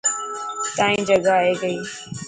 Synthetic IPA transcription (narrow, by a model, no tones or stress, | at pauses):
t̪ãːĩːd͡ʒəɡaːeːɡəiː